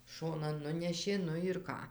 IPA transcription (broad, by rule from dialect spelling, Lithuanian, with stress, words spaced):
ˈʃoːnɐn ˈnʊnʲɛʃʲeː ˈnʊ ɪr ˈkɑː